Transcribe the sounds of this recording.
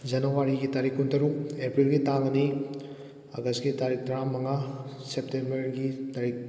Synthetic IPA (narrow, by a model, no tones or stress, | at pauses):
d͡ʒɐnɐwaɾiɡitaɾikːuntʰɐɾukepɾilɡitaŋɐni | ɐ̰ɡɐsɡitaɾik̚tɾamːɐŋa | sep̚tembɐɾɡitaɾik̚